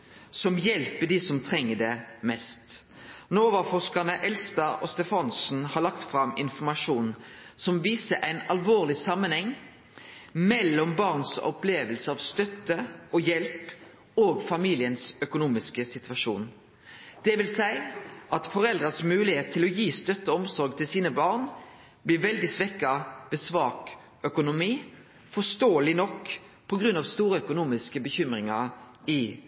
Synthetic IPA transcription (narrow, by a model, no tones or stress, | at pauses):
sɔmjɛlpəɖ̪isɔmt̪ʰʁɛŋːəɖɛmɛst̪ | noːoːʋəfɔʁʂkɑnəʔɛlst̪ɑʔɔst̪ɛfɑnsn̩hɑlɑk̚t̪fʁɑmɪnfɔmɑʂuːnsɔmʋiːsəʔæɪnɑlʋoːʁlɪsɑmːənhɛŋː | mɛlːɔmbɑʁnsɔ̰pleːʋəlsəɑʋst̪œt̪ːəɔjɛlp | oːɡfɑmiːlɪənsœkʊnuːmɪskəsɪt̪ʋɑʂṵːn | d̪̥ɛʋɪlsæɪʔɑt̪fɔʁɛld̪ʁɑsmʉːlɪheːt̪ʰːɪlɔjiːst̪œt̪ːəɔmsɔɾɡ̚t̪ʰɪlsiːnəbɑːʁn | blɪʋɛld̪ɪsʋɛkːɑʋɛːsʋɑːk | œkʊnʊmiː | fɔst̪oːəlɪnɔkː | pʰɔɡʁʉnːɑʋst̪uːɾəœkʊnuːmɪskəbəçʏmʁɪŋɑ | ɪ